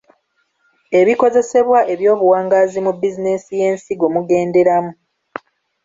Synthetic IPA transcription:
e̞βiko̞ze̞se̞βwaʔe̞βjo̞ːβuwaːŋɡazimubizinesije̞ːnsiɡo̞muɡe̞ːnde̞ɾamu

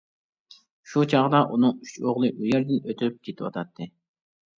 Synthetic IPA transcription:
ʃut͡ʃʰɑʁd̪ɑʔunɨŋyt͡ʃoʁlˠɨʔujɛɾd̪ɪnøt̪ʰyp̚kʲʰet̪ʰɪwɑ̰t̪ʰɑt̪ʰːɨ

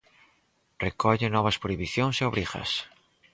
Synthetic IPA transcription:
rekɔʎenɔβaspɾoiβiθjoŋseoβɾixa̰s

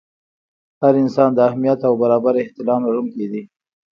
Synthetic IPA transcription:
haɾɪnsɑnd̪əahmijat̪awbaɾɑbaɾɪht̪ɪlɑmlaɽuŋked̪i

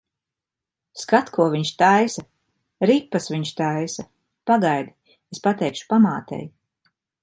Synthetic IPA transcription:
skat̪kʰuɔviɲʃt̪ajsa | ɾipːasviɲʃt̪ajsa | paɡajd̪i | espat̪ɛjkʃu̥pamaːt̪ɛ̰j

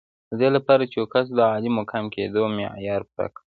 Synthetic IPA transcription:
d̪əd̪elapɑɾat͡ʃewokas̬d̪əɑlimokʰamkʰed̪omejɑɾpɾa̰k

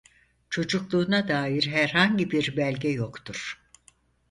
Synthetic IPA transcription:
t͡ʃʰo̞d͡ʒuklˠuːnad̪aːjiɾɦæɾɦaɲɟibiɾbælʲɟɛjo̞kt̪ʰuɾ̥

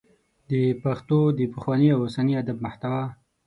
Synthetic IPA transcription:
d̪əpaxt̪od̪əpəxwɑniawosaniad̪ab̚maht̪awɑ

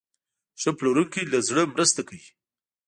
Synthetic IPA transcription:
ʃəploɾunkelazɽəmɾəst̪akawi

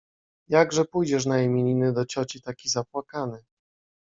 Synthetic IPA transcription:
jaɡʐɛpujd͡ʑɛʂ̬najɛmʲeɲʲinɘd̪ɔt͡ɕɔt͡ɕit̪akʲizapwakanɘ

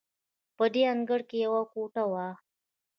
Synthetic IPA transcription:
pəd̪eaŋɡəɽkejawakoʈawa

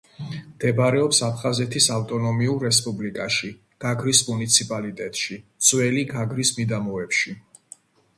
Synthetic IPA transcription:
md̪̥ɛbɾɛɔpsapʰχazɛt̪ʰisaft̪ʼɔnɔmiuɾːɛspʼublikʼaʃi | ɡ̥aɡɾismunit̪sʰipʼalit̪ʼɛt̪ʼʃit̪sʼwɛliɡaɡɾismid̪amɔɛpʃi

